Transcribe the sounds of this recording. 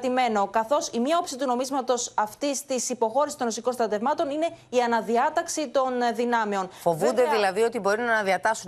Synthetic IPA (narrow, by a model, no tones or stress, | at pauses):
t̪ime̞no̞kɐθo̞simɲɐopsit̪uno̞mizmɐt̪o̞sɐft̪ist̪isipo̞xo̞ɾisist̪o̞no̞siko̞nst̪ɾɐt̪e̞vmɐt̪o̞nine̞iɐnɐðiɐt̪ɐksit̪o̞nðinɐmeo̞nfo̞vund̪e̞ðilɐðio̞t̪ibo̞ɾunɐnɐðiɐt̪ɐsun